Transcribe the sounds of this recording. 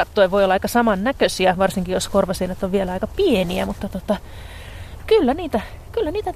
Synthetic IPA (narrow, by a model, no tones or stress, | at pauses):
ɑt̪ːoeʋoiolːɑɑikɑsɑmɑnnækøsiæʋɑrsiŋkijoskorʋɑsiːnːet̪ːoʋʋielæɑikɑpieniæ̰mut̪ːɑt̪ot̪ɑ | kylːæniːt̪æ | kylːæniːt̪æ